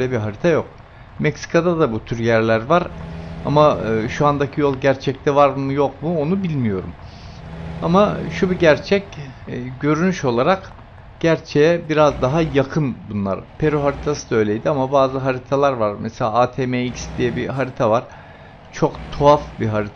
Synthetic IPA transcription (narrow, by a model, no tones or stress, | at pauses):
ølʲɛbiɦaɾit̪ʰajo̞k̚ | mɛcsi̥kʰad̪ad̪abut̪ʰyɾjæɾlʲæɾvaɾa̰maʃuand̪acʰijo̞lˠɟæɾt͡ʃʰɛc̚t̪ʰɛvaɾmujo̞kmuo̞nubilʲmijo̞ɾum | amaʃubiɟæɾt͡ʃʰɛcːɟø̞ɾynyʃo̞lˠaɾak | ɟ̥æɾt͡ʃʰejɛbiɾazd̪aɦajakʰɯnbunlˠa̰ɾpʰe̞ɾoɦaɾit̪ʰasɯ̥d̪ø̞jlʲejd̪iamabaːzɯɦaɾit̪ʰalˠaɾvaɾmɛselʲaat̪ʰemeicsd̪ijɛbiɦaɾit̪ʰavaɾ̥ | t͡ʃʰo̞kt̪ʰoafbiɦaɾit̪ʰa